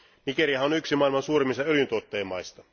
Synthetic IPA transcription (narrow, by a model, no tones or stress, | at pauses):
nikeɾiɑhɑonyksimɑilmɑnsuːɾemːist̪ɑøljynt̪uot̪ːeːmːɑjst̪ɑ